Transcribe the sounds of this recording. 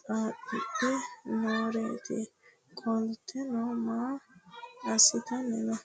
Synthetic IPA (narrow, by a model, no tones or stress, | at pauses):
aːpːɪpːɛnoːɾeːt̪ɪ̰ | kʼɔlt̪ʰːɛnɔmaː | ɐsɪt̪ɐnɛnɐ